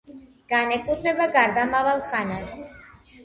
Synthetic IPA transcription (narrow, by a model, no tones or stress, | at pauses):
ɡ̥anɛkʼud̪mɛbaɡaɾd̪amaβalχanas